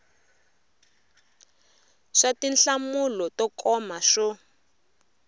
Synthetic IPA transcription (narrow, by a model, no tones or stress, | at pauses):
ʂatinɬamulɔtɔkɔmaʂɔ